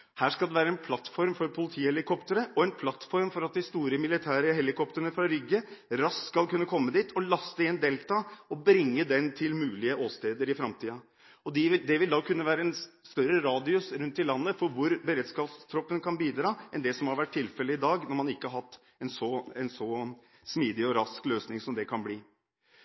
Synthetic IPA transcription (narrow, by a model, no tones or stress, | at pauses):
hæːʂkɑld̪ɛʋæːɾəɛnpʰlɑt̪fɔɾmfɔɾpʰʊlɪt̪ʰiːhɛlɪkʰɔpt̪əɾəʔɔɛnpʰlɑt̪fɔɾmfɔɾɑt̪̚d̪ɪst̪uːɾəmɪlɪt̪ʰæːɾəɦɛlɪkʰɔpt̪əɾənəfɾɑɾʏɡːəɾɑsskɑlkʉnːəkʰɔmːəd̪iːt̪ʰɔlɑst̪əɪɛnd̪eːlt̪ɑːɔbɾɪŋːəd̪ɛnt̪ʰɪlmʉːlɪəʔoːst̪eːd̪əɾɪfɾɑmt̪ʰiːɑ | ɔd̪ɪʋd̪ɛʋɪld̪ɑːkʰʉnːəʋæːɾəɛnst̪œɾəɾɑːd̪ɪʉsɾʉnt̪ːɪlːɑnːəfɔɾʋʊɾbəɾɛːd̪skɑːpst̪ʰɾɔpːənkʰɑnbiːd̪ɾɑːʔɛnd̪ɛsɔmhɑɾʋæʈ̚ʰːtɪlfɛləɪd̪ɑːɡnɔɾmɑnɪkːəhɑɾhɑt̪ː | ɛnsɔɛnsɔ | smiːd̪ɪɔɾɑskløːsnɪŋsɔmd̪ɛkʰɑnbliː